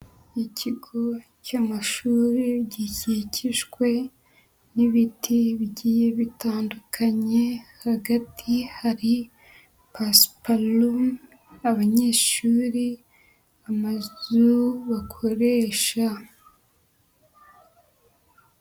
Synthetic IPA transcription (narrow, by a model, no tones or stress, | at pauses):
icʰiɡo̞ | camaʃuːɾiβɟiciciʃɡwe̞ | niβitʰiβɟiːjeβitʰaːndukʰaɲe̞haɡatʰihaɾi | paspalum | aβaɲeːʃuːɾi | amazuβakʰo̞ɾe̞ːʃa